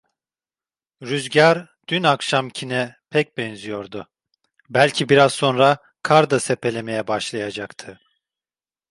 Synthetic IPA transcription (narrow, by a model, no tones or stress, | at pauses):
ɾyzɟaɾd̪̥ynakʃamcʰinɛpʰɛc̚bɛnzijo̞ɾd̪ʊ | bælʲcʰibiɾazso̞nɾa | kʰaɾd̪asepʰe̞lʲe̞me̞jɛbaʃlˠajad͡ʒakt̪ʰɯ